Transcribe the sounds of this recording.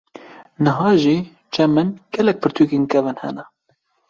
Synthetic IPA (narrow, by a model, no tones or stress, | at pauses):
nɨɦɑːʒiː | t͡ʃʰɛmɨnɡ̥ɛlɛk̚pʰɨɾt̪ʰukenkɛvɨnhɛ̰nɛ